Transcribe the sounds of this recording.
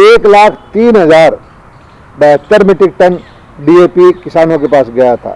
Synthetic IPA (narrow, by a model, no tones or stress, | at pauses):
eːklaːkʰt̪iːnɦɐzaːɾ | bɛɦt̪əɾmɪʈɪk̚ʈən | ɖiːeːpikɪsaːnõkepaːsɡɐjat̪ʰa̰ː